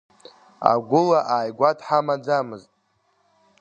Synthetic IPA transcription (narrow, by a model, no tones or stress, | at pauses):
a̰ɡʷʊlaʔaːjɡʷatʰħamad͡zamɨztʼ